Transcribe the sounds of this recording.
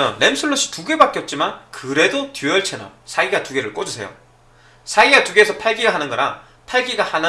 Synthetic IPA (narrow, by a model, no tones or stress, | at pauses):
ʌne̞msʰɯɭːoɕ͈ʰi̥tuɡe̞bak͈jʌt̚t͡ɕ͈imankɯɾe̞dotjujʌɭt͡ɕʰenʌ̰sʰaiɡatuɡe̞ɾɯɭk͈od͡ʑusʰe̞̰jo̰ | sʰaiɡatuɡeːsʰʌpʰaɭɡiɡaɦanɯnɡʌɾa | pʰaɭɡiɡahanɯ